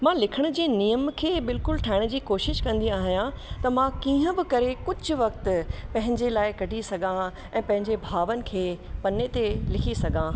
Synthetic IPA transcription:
mãlɪkʰəɽ̃ʊ̆d͡ʑiːnijəmkʰeːbɪlkʊlʈʰaːɪɽ̃d͡ʑiːkoːʃɪʃkɐ̃nd̪iaːɦijã | t̪ɐmãkiːə̃bɪkɐɾekʊd͡ʑʱʊʋɐk̚t̪pɐ̃ɦɪ̃ɲd͡ʑelaːɪkɐɖʱisɐɡʱã | ɛ̃ːpɐ̃ɦɪ̃ɲd͡ʑebʱaːʋənɪ̆kʰeːpɐnet̪elɪkʰisɐɡʱã

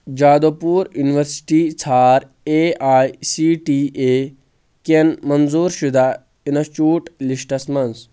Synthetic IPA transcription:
d͡ʒaːd̪oːpuːɾjuniʋɐɾsi̥ʈiːt͡sʰaːɾ | eaːjsiːʈiːeː | kenmɐnzuːɾʃud̪ʱaː | inɐt͡ʃuːʈliʃʈɐsmɐns

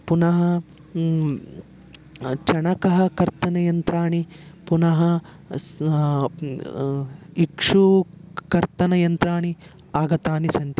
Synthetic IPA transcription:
punɐɦɐ | t͡ʃɐɳɐkɐɦɐkɐɾt̪ɐnɐjɐnt̪ɾaːɳipunɐɦɐ | ikʂukɐɾt̪ɐnɐjɐnt̪ɾaːɳi | aːɡɐt̪aːnisɐnt̪i

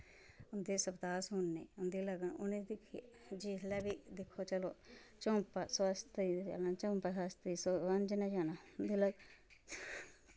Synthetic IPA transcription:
ʊnd̪eːsəbd̪aːsɦʊnːeːʊnd̪iːləɡənʊnẽːd̪ikʰi | d͡ʒiːlɛːbiːd̪ɪkʰːoːt͡ʃəlo̰ːt͡ʃõːmpaːsəst̪iə̰lãːt͡ʃõːmpaːsaːst̪iːsoʋənd͡ʒnãːd͡ʒaːnaːʊnd̪iːləɡ

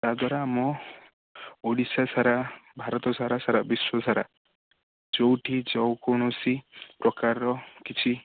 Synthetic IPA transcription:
t̪ad̪ʱwaɾaːmɔ | oɽisasaɾabʱaɾɔt̪ɔsaɾasaɾabiswɔsaɾa̰ | d͡ʒowʈʰid͡ʒɔwkɔɽ̃ɔsipɾɔkaɾɔkit͡ʃʰi

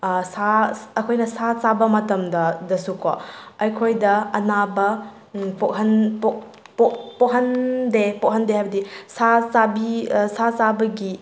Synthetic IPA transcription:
saɐkʰojnɐsat͡ʃabɐmɐtɐmdɐdɐsukɔ̰ɐjkʰojdɐɐnabɐ | poʔ̚ɦɐnpo | pokpoɦɐndepoʔ̚ɦɐndeɦajbɐdisat͡sabisat͡sabɐɡi

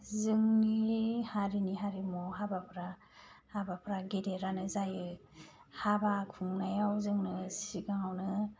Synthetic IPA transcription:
zɯŋnihaɾiniɦaɾimɔɦabapʰɾa | habapʰɾaɡedeɾanɯzajɯ | habakʰuŋnajawzɯŋnɯsiɡaŋawnɯ

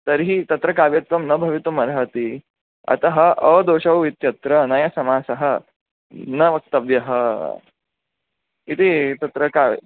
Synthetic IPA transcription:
t̪ɐɾɦit̪ɐt̪ɾɐkaːʋjɐt̪ʋɐmnɐbʱɐʋit̪ʋɐmɐɾɦɐt̪i | ɐ̰t̪ɐɦɐɐd̪oːʃɐʋʋit̪jɐt̪ɾɐnɐjɐsɐmaːsɐɦɐ | nɐʋɐk̚t̪ɐbjɐɦɐ | it̪it̪ɐt̪ɾɐka̰ː

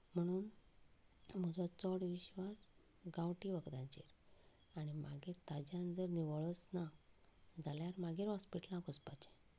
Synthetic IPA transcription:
m̤əɽ̃uːn | m̤ud͡zɔt͡sɔɽʋiɕʋas | ɡãwʈiːʋəɡd̪ãɲt͡ɕḭɾ | aɽ̃ima̰ɡeɾt̪ad͡ʑjand͡zəɾniʋəɭət͡sna | d͡zaljaɾmaɡeɾɦɔspiʈlãkəspat͡ɕẽ̥

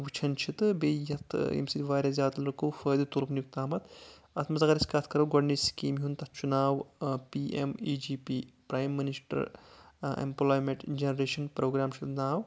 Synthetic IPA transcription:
ʋut͡ʃʰɐnt͡ʃʰit̪ɨbeːjɐt̪ʰḭmsid̪ʲʋaːɾʲazʲjaːt̪ɐlɾɨkɐwfəːd̪ɨt̪uɾpnjuk̚t̪aːmɐt̪ | ɐt̪ʰmɐzɐɡɐɾiskɐːt̪ʰkɐɾɐwɡɔɖniskiːmiɦunt̪ɐt̪̚ʰt͡ʃunaːʋpiːʔḛmiːd͡ʒiːpiːpɾaːjmːinisʈɐ̰ɾ | ḛmploːjmeʈd͡ʒenɐɾeːʃɐnpɾoːɡɾaːmt͡ʃʰit̪naːw

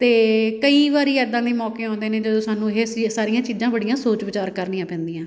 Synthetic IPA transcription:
t̪eːkəiːʋaːɾiːɛːd̪ːãːd̪iːmɔːkeːãːnd̪eːneːd͡ʒəd̪oːsaːnũːɦeːssaːɾijãːt͡ʃiːzãːbəɽijãːsoːt͡ʃʋɪt͡ʃaːɾkəɾniːãːpɛ̃ːnd̪ijãː

